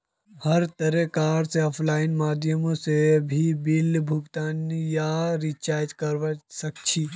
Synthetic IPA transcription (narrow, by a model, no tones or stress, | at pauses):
həɾt̪əɾekaːɾseɔːpʰlaːɪnmaːd̪jəmõsebʱibilbʱuɡt̪aːnjaɾit͡ʃaːjt̪kəɾʋasəkt͡ʃʰi